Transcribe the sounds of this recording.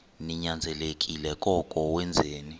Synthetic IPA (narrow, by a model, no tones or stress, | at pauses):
niɲand͡zʱɛlek̬ʼilɛkʼɔkʼɔwɛnd͡zʱeːni